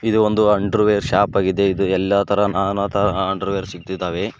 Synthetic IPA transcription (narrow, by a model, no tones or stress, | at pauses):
id̪uond̪uɐɳɖɾʋeːɾʃaːpaːɡid̪e̞id̪uɛlːɐt̪ʰɐɾɐnaːnaːt̪ʰɐɾɐɐɳɖɐɾʋeːɾsik̚t̪id̪aːʋe̞